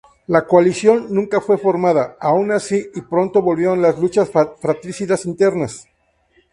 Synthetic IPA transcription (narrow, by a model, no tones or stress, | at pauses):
lakoalisjo̞nːũŋkafwe̞fo̞ɾmaðaaunasiipɾo̞nt̪o̞βo̞lβjeonlazlut͡ʃasfɾat̪ɾisiðasint̪e̞ɾnas